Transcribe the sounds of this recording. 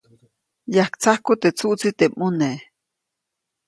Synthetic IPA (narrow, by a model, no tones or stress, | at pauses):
jahkt͡sahkut̪eʔt͡suʔt͡sit̪eʔmune